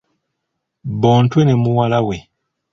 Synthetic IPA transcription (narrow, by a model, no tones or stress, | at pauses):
bɔntwɛnɛmuwalawe